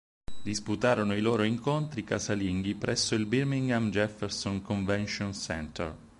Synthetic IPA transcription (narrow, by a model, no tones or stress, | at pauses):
d̪isput̪aːɾonoiloːɾoiŋkont̪ɾikasaliŋɡipɾɛsːoilbirmiŋɡamd͡ʒɛfːɛɾsoŋkoɱvɛnʃonsɛ̰nt̪ʰɛ̰r